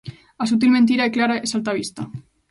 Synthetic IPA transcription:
asut̪̬ilment̪iɾaeklaɾaesalt̪aβist̪a

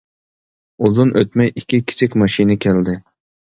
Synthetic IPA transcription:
uzunʔøt̪mɛjikʲikʲʰi̥t͡ʃʰɪkʲmɑʃinɪkʲʰɛld̪ɪ

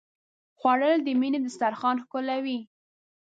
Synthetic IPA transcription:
xwaɽəld̪əmined̪əst̪aɾxɑnxkʊlawi

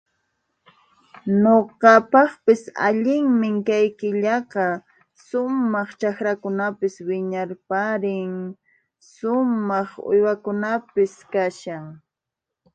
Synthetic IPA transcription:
noqɑpɑχpɪsa̰ʎɪŋmɪŋkajkɪʎɑqɑ | ʃʊmmɑχt͡ʃakɾakʊnapɪswɪɲaɾpaɾɪŋ | ʃʊmɑχʊ̰jwakʊnapɪskaʃaŋ

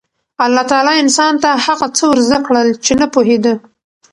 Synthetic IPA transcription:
alːɑt̪ɑlɑɪnsɑnt̪ahaɣat͡səwəɾzd̪akɽəlt͡ʃenapoɦed̪ə

